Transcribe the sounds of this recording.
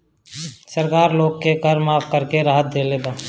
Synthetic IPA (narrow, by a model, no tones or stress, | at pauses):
səɾkaːɾloːɡkekəɾmaːfʰkəɾkeɾaːɦət̪̚d̪eːleːd̪aː